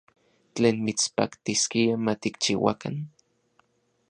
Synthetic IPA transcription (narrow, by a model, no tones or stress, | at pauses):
t͡ɬeːnmit͡spa̰kt̪iskiamat̪ik̚t͡ʃiwa̰ka̰n